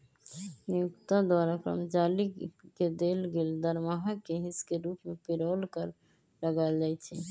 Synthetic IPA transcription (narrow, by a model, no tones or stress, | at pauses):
niukt̪ad̪waɾakɾə̰md͡ʒaliked̪elɡeld̪əɾmaɦəkeɦiskeɾupmepiɾɔlkəɾ | ləɡald͡ʒajt͡ʃʰɛ